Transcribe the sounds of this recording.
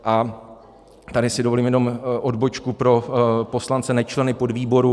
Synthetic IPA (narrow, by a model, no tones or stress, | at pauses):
ʔa | t̪adɪsɪdovo̞liːmjɛno̞mʔo̞dbo̞t͡ʃkupɾo̞po̞slant͡sɛnɛt͡ʃlɛnɪpo̞dviːbo̞ɾu